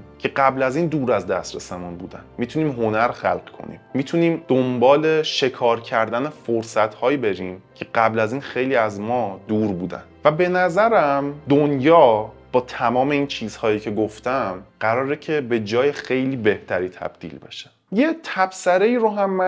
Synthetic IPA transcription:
cʰe̞ɢæblæziːnd̪uːɾæzd̪æst̪ɾesemunbṵːd̪æ̰nmiːt̪ʰuniːmɦo̞næɾxæ̰lɢkʰo̞̰nḭːmːiːt̪ʰuniːmd̪̥ombɒːle̞ʃe̞kʰɒːɾcʰæɾd̪ænefoɾsæt̪hɒːjibe̞ɾiːmcʰe̞ɢæblæziːnxe̞jliːæzmɒːd̪uːɾbuːd̪æ̰nvæbe̞næzæɾæmd̪onjɒːb̥ɒːt̪ʰæmɒːme̞iːnt͡ʃʰiːz̥hɒːjiːcʰe̞ɡoft̪æmɢæɾɒːɾecʰe̞be̞d͡ʒɒːjexe̞jliːbe̞ht̪ʰæɾiːt̪ʰæ̰b̥̚d̪̥ḭːlbe̞̰ʃe̥ | jet̪ʰæb̥sæɾeiːɾoɦæmː

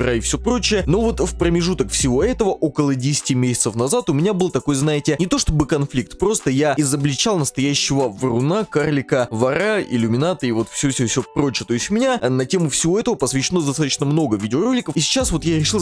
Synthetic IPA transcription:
ɾaɪfsʲopɾo̞t͡ɕɪjəno̞vo̞t̪fpɾəmʲɪʐut̪əkfsʲɪvo̞ɛt̪əvəʔo̞kəlˠədʲesʲɪ̥tʲɪmʲesʲɪt̪səfnɐzat̪ʊmʲɪnʲabɨlˠt̪ɐko̞jznajɪtʲɪnʲɪt̪o̞ʂt̪o̞bɨkɐnflʲik̚t̪pɾo̞st̪əjaɪzəblʲɪt͡ɕalˠnəst̪ɐjæɕːɪvəvrʊnakarlʲɪkəvɐɾaɪ̰lʲʊmʲɪnat̪ɨɪvo̞t̪fsʲɵfsʲofsʲopɾo̞t͡ɕɪjət̪o̞ɪsʲtʲʊmʲɪnʲanɐtʲe̞mʊfsʲɪvo̞ɛt̪əvəpəsvʲɪɕːɪno̞zd̪ɐst̪at̪ə̥t͡ɕnəmno̞ɡəvʲidʲɪoro̞lʲɪkəfisʲɪ̥t͡ɕasvo̞t̪jaɾʲɪʂɨlˠ

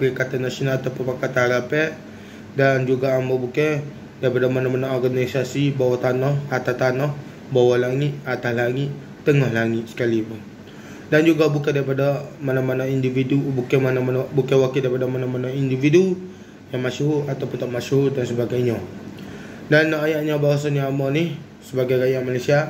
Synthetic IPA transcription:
pəɾikat̪anasionalat̪awpəpakat̪aɾapɛʔ | dand͡ʒuɡaːmbabukɛ | daɾipadamanamanaɔrɡanisasibawat̪anɔhat̪at̪anɔh | bawalaŋɪt̪̚at̪ahlaŋɪt̪ | t̪əŋɔhlaŋɪt̪̚sə̥kalipun | dand͡ʒuɡabukɛdaɾipadamanamanaindividubukɛmananbukɛwakidaɾipadamanamanaindividu | jaŋmasuɦʊat̪awpʊunt̪aʔmasuɦudansəbaɡajɲa | danːaajaʔɲabawasanjaamɔnɪh | səbaɡajɡajaŋmalajsia

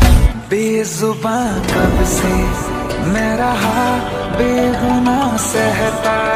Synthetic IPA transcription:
beːzʊbãkɐbse | mɛ̃ɾaɦa | beːɡʊnasɛɦɛt̪aː

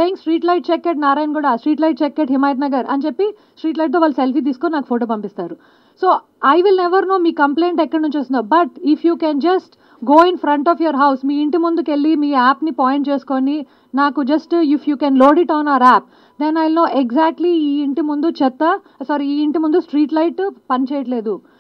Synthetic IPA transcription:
seːjĩŋksʈɾiːʈlɐjʈ̚t͡ʃɛkːeʈ̚naːɾaːjɐnkuːɽɐsʈɾiːʈlɐjʈ̚t͡ʃekːeʈɦimaːjit̪nɐɡɐɾɐ̰nt͡ʃepːi | sʈɾiːʈ̬lɐjʈ̚t̪oːʋaːlːuselpiːt̪̬iːsu̥koninaːku̥pʰoːʈoːpɐmpist̪aːɾu | soː | ɐjʋilneʋɐɾnoːmiːkɐmple̞ːɳʈɛkːɐɽɐnunt͡ʃeːst̪und̪ːbɐʈifʰjuːkɛːnd͡ʒɐsʈ | ɡoːinfʰɾɐɳʈɔːfʰjoɾɦɐwsmiːiɳʈimund̪uke̞lːimiːaːpnipaːjeɳʈt͡ʃe̞ːsu̥koni | naːkud͡ʒɐsʈifjuːkɛːnloːɖiʈaːnɐʋɐɾaːp̚ | d̪enɐjlno̞ːʔeɡzaːk̚ʈliiːiɳʈimund̪ut͡ʃɛt̪ːɐ | saːɾiiːiɳʈimund̪usʈɾiːʈlɐjʈpɐnit͡ʃeːjɐʈle̞ːd̪u

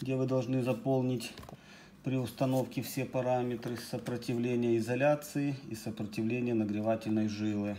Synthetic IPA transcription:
ɡdʲevɨd̪ɐlˠʐnɨzɐpo̞lˠnʲɪtʲ | pɾʲɪʊst̪ɐno̞fkʲɪfsʲe̞pɐɾamʲɪt̪ɾɨsəpɾətʲɪvlʲenʲɪjəɪzɐlʲat̪sɨɪisəpɾətʲɪvlʲenʲɪjənəɡɾʲɪvatʲɪlʲnəjʐɨlˠɨ

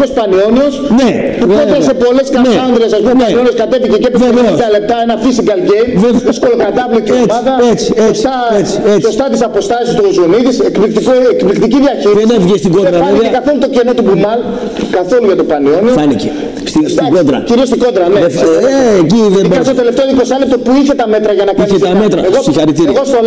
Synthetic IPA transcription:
ospɐnio̞nio̞sne | t̪ukod̪ɾɐsepo̞le̞skɐneɐɐnd̪ɾesɐspumnenionio̞skɐt̪efiʝecepeɐle̞p̚t̪ɐenɐfisikɐlɡejmðeoskolokɐd̪ɐvlot̪iemɐðɐet͡si̥est̪ɐet͡si̥et͡ssost̪ɐt̪isɐpo̞st̪ɐsist̪ozoniðisekplikt̪ikoekplikt̪iciðʝɐçiɾiðesnefʝest̪iɡot̪ɾɐɐiekɐθolut̪o̞cenot̪ubumɐl | kɐθo̞luʝɐt̪opɐnio̞nofɐnice | st̪isiɡod̪ɾɐ̰ciɾio̞st̪iɡo̞d̪ɾɐneefeeciðebkɐsst̪ot̪e̞left̪eoikosɐlep̚t̪o̞puiçet̪ɐme̞t̪ɾɐʝɐnɐkiçest̪ɐmet̪ɾɐeɣosixɐɾit̪iɾiɣost̪ol

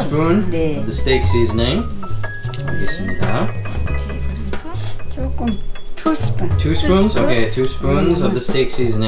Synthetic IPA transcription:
spɹũnʌvðəsteɪksiːzə̃nɪ̃ŋm | ðɪsmina̰ | tʰtʰuːspũnzokʰeɪtʰuːspɹũnzʌvðəsteɪksiːz̃ñ

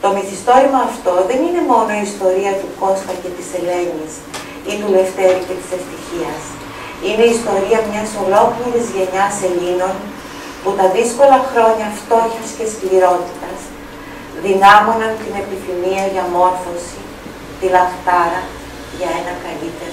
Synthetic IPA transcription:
t̪o̞miθist̪o̞ɾimɐːft̪o̞ðe̞nine̞mo̞no̞iːst̪o̞ɾiɐt̪uko̞sfɐce̞t̪ise̞le̞ɲis | iðule̞ft̪e̞ɾice̞t̪i̥se̞ft̪içiɐs | ine̞ist̪o̞ɾiɐmɲɐso̞lo̞kliɾizʝe̞ɲɐse̞ʎino̞n | put̪ɐðisko̞lɐxɾo̞ɲɐft̪o̞çɐsceskliɾo̞t̪it̪ɐs | ðinɐmo̞nɐnt̪ine̞piθimiɐʝɐmo̞ɾθo̞si | t̪ilɐkt̪ɐɾɐ | ʝɐe̞nɐkɐlit̪e̞ɾo

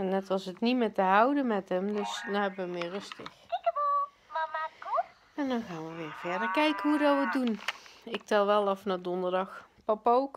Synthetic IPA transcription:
ɛnːɛtʋɑsətnimɪtəɦawdənmɛtɦəmdøsdɔɛbəʋəmɪːrøstə̰xkɪkəbo | mamaku | ɛndɔnxaːnʋəʋɪːrv̥ɛɹdəɹkɛjkənɦudɔʋədunɪk̚tɛlˠʋɛlˠɔfnadɔndərdɑxpɔpowk

